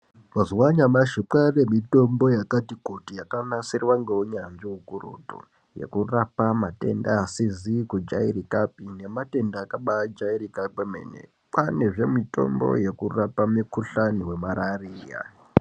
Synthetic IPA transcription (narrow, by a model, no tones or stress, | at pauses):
mazwaɲamaʃiǃare̞mito̞mbo̞jakatikutijakanasirwaŋɡeuɲanʐiukurṵːtṵ | je̞̰kurapamate̞̰ndaːsizikud͡ʒairikap̚ine̞mate̞ndaːkaɓad͡ʒaiɾikapemḛːnḛ | pane̞ʐe̞mito̞̰mbo̰je̞kurapamikuɬaniwe̞maɾariːja̰